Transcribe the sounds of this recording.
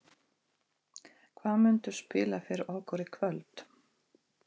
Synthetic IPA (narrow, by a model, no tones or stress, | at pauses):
kʰvaːðmʏnt̪ʏ̥spɪːlafɪɾɔːwkʰɔɾɪkʰvœlt̪